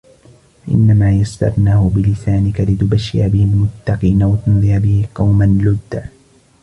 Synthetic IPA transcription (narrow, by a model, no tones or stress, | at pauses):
faʔɪ̰nːamaːjast̪ɑ̰ɾˤnaːhʊbɪlɪsaːnɪkalɪt̪ʊbaʃːɪʔabɪhɪlmʊt̪ːɑqiːnawat̪ʊnðˤijabɪhɪqɑwmanlʊd̪ːa